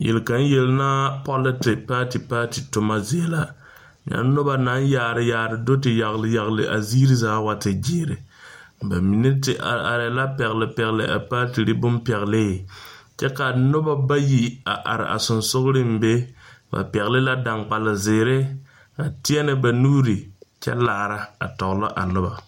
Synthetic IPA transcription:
jʔɛ̰˨lka˨n˦je˨lna˦pɔ˦lɪ˦tɪ˨paː˦ti˨paː˦ti˨tʊ˨ma˦zɪ˨˦a˦la˦ | ɲa̰˨˦nʊ˦ba˦na˨˦jaː˨ɾɪ˦jaː˨ɾɨ˨do˦tɪ˨ja˨ɣlɨ˦ja˨ɣlɨ̰˨ʔa̰˨ziː˦ɾɨ˦zaː˨˦wa˨tɪ˨d͡ʒeː˦ɾɪ˨ba˨mi˨nɨ˦tɪ˨ʔa˨a̰˨ɾɛ˨˦la˦pɛ˨ɣlɪ˨pɛ˨ɣlɪ̰˨ʔa̰˨paː˦ti˨ɾi˦bʊ˦mpɛ˨ɣlɪ˦˨t͡ʃɛ˦ka˨nʊ˦ba˦ba˦ji˨a˨ʔa˨ɾɪ̰˨ʔa̰˨sʊ˨nsʊ˦ɣʊ˦ɾɪ˦m̩˨be˦ba̰˨pɛ˨ɣlɪ˦la˦da˨ŋk͡pa˨lɪ˨zɪː˨ɾɪ˦ | ka˨tɪ˦ɛ˦nɪ˨ba˨nuː˦ɾi˨t͡ʃɛ̰˦laː˨ɾa˦a̰˨tɔ˨ɣlɔ˦ʔa̰˨nʊ˦ba˨

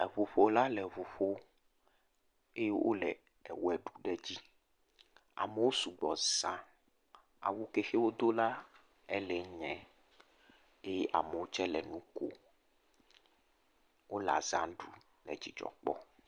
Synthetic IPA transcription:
ɛ˨βu˨ɸo˦la˦lɛ˨βu˨ɸo˦ | e˦je˦wʔo̰˦lɛ˨ | ɛ˨wɛ˨ɖu˦˨ɖɛ˦d͡ʑi˦ | a̰˨me˨wo˦su˨ɡ͡bɔ˨z̥ã˦ | a̰˨wu˦ke˨xe˦wo˦d̪o˦la˦ | ɛ˦lɛ˨ɲɛ̃˨ | e˦je˦ʔa̰˨me˨wo˦t͡ʃɛ˦lɛ̰˨nũ˦ko̰˦ | wo˦la̰˨zã˦ɖu˦ | lɛ̰˨d͡ʑi˨d͡ʒɔ̰˨k͡pɔ̰˦

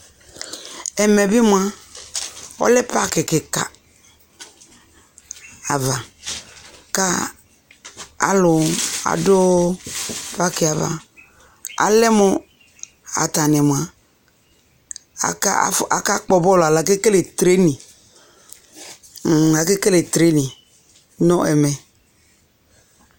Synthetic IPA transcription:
ɛ˨mɛ˨bɪ˦m˨a˨ | ɔ̰˦lɛ˦pa˦kɪ˨kɪ˨ka˨ | a˨va˨ | ka˦ | a̰˨lʊ˨a̰˨dʊ˦ | pa˦kɪ˨a˨va̰˨ | a̰˨lɛ˦mʊ˦ | a̰˨t̪a˨n˨ɛ˨m˨a˨ | a̰˨ka˦a̰˨fa̰˨ka˦k͡pɔ˨bɔ˦la˨la˨ke˦ke˦le˨t̪ɾe˦nĩ˨ | a˨ke˦ke˦le˨t̪ɾe˦nĩ˨ | nɔ̃˦ʔɛ˨mɛ˨

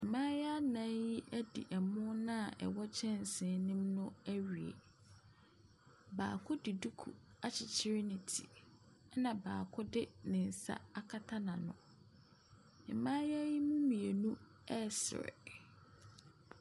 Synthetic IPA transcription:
ɛ˨mãː˦ja˦nã˦ji˦ʔæ˦dḭ˨ʔɛ˨mʊ̃˦nã˦a˨ʔɛ̰˨wɔ˦t͡ɕʰɛ̃˦n˨sɪ̃˨˦nɪ̃˦mnʊ̃˦æ˦ɥɥi˨ḛ˨ | baː˨kʰʊ˦dɪ˨du˦kʰṵ˨a˦t͡ɕʰɪ˨t͡ɕʰɪ˦ɾɪ˦nɪ̃˨tʰi˨ | ɛ˦nã˨baː˨kʰʊ˦dɪ˦nɪ̃˨n̩˨sa̰˦a˦kʰa˦tʰa˦nã˨nʊ̰̃˨ | ɛ˨mãː˦ja˦ji˦mũ˦mĩ˨e˨nũ˦ | ɛ˦sɪ̰˨ɾɛ̰˨

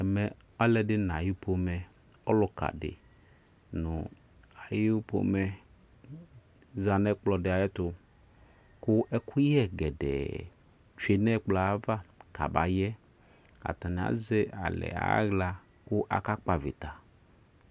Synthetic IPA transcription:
ɛ˨mɛ˨ | ɔ˦lɛ˨˦dɪ˦n˨a˨ji˦pʰo˦mɛ˨ | ɔ˦lʊ˨ka̰˨dɪ̰˨ | nʊ˨ | a˨ji˦po̰˦mɛ˨ | za˨nɛ˦k͡plɔ˨dɪ˨a˨jɛ˦t̪ʊ˨ | kʊ˦ʔɛ˦kʰu˦jɛ˦ɡɛ˨dɛ̰˨ | t͡ʃu˦e˦nɛ˦k͡pla˨˦va˦ka˨ba̰˨jɛ˦ | a̰˨t̪a˨nɪ˨a̰˨ze˦a̰˨lɛ̰˨a̰˦ɣla˦ | kʊ˦ʔa̰˨ka˦k͡pa˨vḭ˨t̪a˨

